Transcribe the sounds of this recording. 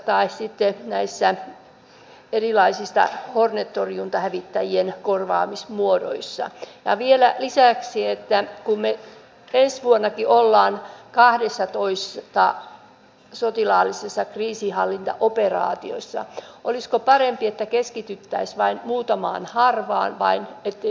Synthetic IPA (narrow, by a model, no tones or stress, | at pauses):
t̪ɑissit̪ːenæisːæ | erilɑisist̪ɑ̰hornet̪ːoriunt̪ɑhæʋit̪ːæjienkorʋɑ̰ːmismuodo̰isːɑ̰jɑ̰ʋielælisæksiet̪ːækumme | ensʋuonːɑkiʔolːɑːnkɑhdesːɑt̪oist̪ɑ | sot̪ilɑːlːisesːɑkriːsihɑlːint̪ɑ̰ʔoperɑ̰ːt̪io̰sːɑ̰ʔoliskopɑrempiet̪ːækeskit̪yt̪ːæisʋɑinmuːt̪ɑmɑ̰ːnhɑrʋɑ̰ːnʋɑinet̪ːe